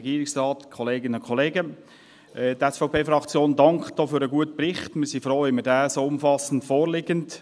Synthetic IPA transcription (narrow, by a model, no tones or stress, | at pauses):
ɡiːɾɪksʁɑːtkʰɔleːɡɪnʊnkʰχɔleːɡə | ʔɛtɛsfaʊpʰeːfɾɑkt͡sjoːndɑŋkχd̥oːfyːɾəɡuətəprɪχtməsifɾoːɪmədæːsoːʊmfɑsən̩tfoːɾlɪɡənt